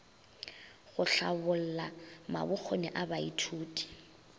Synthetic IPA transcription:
ɣʊɬabʊl̩lama̰bʊk͡xʰonɛʔabaitʰuːtʼi̥

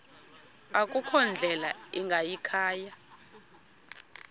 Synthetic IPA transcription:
akʼukʰɔnd͡ɮʱɛlaiŋɡʱajikʰaːja

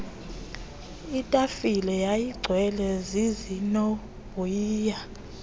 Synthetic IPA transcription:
itʼafilɛjajiɡ͡ǀʱwɛlɛzizinɔ | b̥ʱuiːja

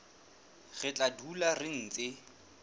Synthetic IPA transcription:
ɣɪt͡ɬʼadularɪn̩ːt͡sɪ

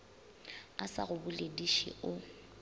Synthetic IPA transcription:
asa̰ɣʊbʊlediʃḭʔʊ

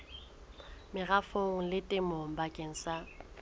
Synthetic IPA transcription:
mɪɣafoŋ̩lɪtʼɪmoŋ̩bakʼeŋ̩sa

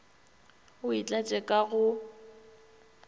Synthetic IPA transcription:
ʊit͡ɬʼat͡ʃʼɛkʼaɣʊ

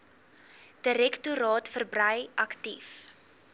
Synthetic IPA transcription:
d̥əɾɛktuɾɑːtfərbrɐjʔɐktif

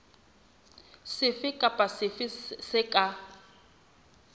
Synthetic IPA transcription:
sɪfɪkʼapʼasɪfɪsɪkʼa

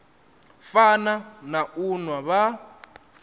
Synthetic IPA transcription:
fananaunwaβa

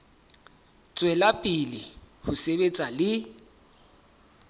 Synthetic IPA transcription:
t͡sʼwɛlapʼilɪhʊsebet͡sʼalɪ

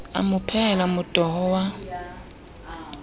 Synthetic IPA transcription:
a̰mʊpʰɛlamʊd̥ʱʼɔhɔwa

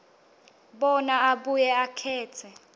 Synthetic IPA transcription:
ɓɔnaaɓujɛakʰɛːt͡sʰɛ

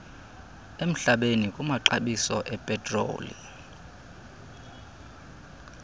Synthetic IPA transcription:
em̩ɬaɓenikʼumaǃaɓisɔʔɛpʼɛtʼro̰ːlḭ

